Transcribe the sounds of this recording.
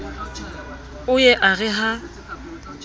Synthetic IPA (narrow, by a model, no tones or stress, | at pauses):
ʊjɛʔaɣɛɦa